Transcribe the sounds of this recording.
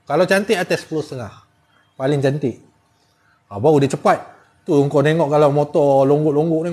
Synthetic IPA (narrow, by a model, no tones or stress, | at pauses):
kalawt͡ʃant̪iʔat̪ɛspəlust̪əŋah | palɪŋt͡ʃant̪ɪʔ | abaudat͡ʃəpat̪̚ | t̪uŋkowneŋɔʔkalawmɔt̪ɔloŋɡʊʔloŋɡʊʔni